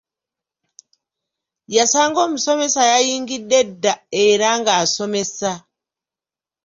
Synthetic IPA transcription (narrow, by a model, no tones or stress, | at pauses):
jasaŋɡomusomesajajiŋɡidedːaeɾaŋɡasomesa